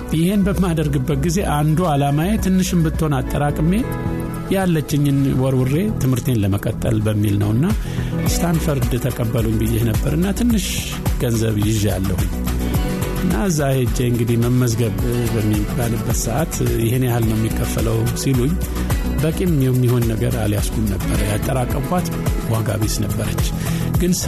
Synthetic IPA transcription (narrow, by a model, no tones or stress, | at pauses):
jɪhe̞nbəmːad̪əɾɡɨbːət̪̚ɡize̞ʔand̪ualamajet̪ʰɨnːɨʃɨmbɨt̪ʰːho̞nat̪ʼːəɾakʼɨme̞ | jalːət͡ʃːɪɲːɪnwɔɾwɨrːe̞t̪ʰɨmhɨɾt̪ʰe̞nləməkʼət̪ʼːə̰lbəmːilnə̰wɨnːa | st̪ʰand̪fəɾd̪t̪ʰəkʼəbːəluwmbɨjehnəbːəɾɨnːat̪ʰɨnːɨʃ | ɡ̥ənzə̰βjɪʒja̰lːə̰huɲ | ʔɨnːaɨzːahed͡ʒːeɨŋɡɨd̪ihməmːəzɡəβbəmːikʼalɨbːət̪səʔat̪jɪhɨnahalnəwjɛmːikʰːəfːələwsiluɲː | bəkʼemːimːiho̞nːəɡəɾaljasɡumnəbːəɾəjat̪ʼːəɾakʼːəmkʷat̪ | waɡa̰βisnəbːəɾət͡ʃː | ɡɨn